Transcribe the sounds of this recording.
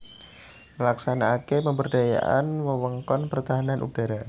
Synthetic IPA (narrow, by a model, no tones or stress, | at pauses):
məlaksanaːkepəmbərdaja̰ʔa̰nwəwəŋkɔnpərt̪aɦananʔṵd̥aɾa